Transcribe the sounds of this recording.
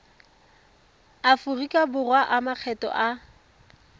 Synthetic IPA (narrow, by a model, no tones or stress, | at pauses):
afʊrikʼabʊrwaʔamak͡xʰɛtɔ̰ʔa